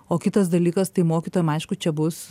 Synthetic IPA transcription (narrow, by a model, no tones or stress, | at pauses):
oːkʲɪt̪ɐsd̪ɐlʲiːkɐst̪ɐɪmoːkʲit̪oːjɛmɐɪʃkʊt͡ʃʲɛbʊs